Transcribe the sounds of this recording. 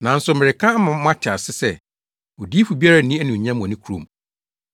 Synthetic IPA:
nã˨˦n̩˦sʊ˨mɪ̃˨ɾɪ˨kʰã˦mã˨m˦ã˦t͡ɕʰɪ˨a˨sɪ˦sɛ˦ | o˨di˦fu˨bi˦a˦ɾa˨nĩ˦æ˦nũ˨ɲã˦m̃˨ɔ̃˨nĩ˦kʰu˨˦ɾõ̰˨m

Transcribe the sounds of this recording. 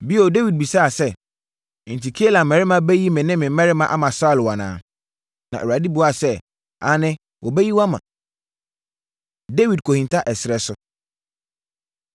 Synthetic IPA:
bi˦o˨de˦wi˨d̚bi˨sa˦a˨sɛ˦˨ | n̩˨tʰi˨kʰe˦la˨mɛ̃˨ɾɪ˦mã˨bɛ˦ji˦mɪ̃˨nɪ̃˦mɪ̃˨˦mɛ̃˦ɾɪ˦mã˨ʔa̰˦mã˨sa˦˨lwa˨nã̰ː˨ | nã˨ʔo˨a˨di˦bu˦a˨sɛ˦˨ | a̰˨˦nɪ̃˦ | wɔ˨bɛ˦ji˦wa˦mã̰˨ | de˦wi˨d̚kʰo˨hĩ˨ntʰa˦ʔɛ˨sɾɛ˨sʊ˦

